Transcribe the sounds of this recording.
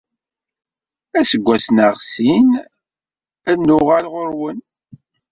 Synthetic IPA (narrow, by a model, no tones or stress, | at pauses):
æsəɡʷːæsnəʁsin | ænːʊʁalʁoɾwən